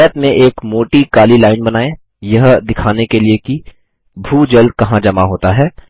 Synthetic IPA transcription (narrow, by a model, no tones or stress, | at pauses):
ət̪mẽʔeːkmoːʈikaːlilaːɪnbɐnaːẽ | jɐɦd̪ɪkʰaːnekelieki | bʱuːd͡ʒɐld̪̚kɐɦãd͡ʒɐmaɦoːt̪aɦɛː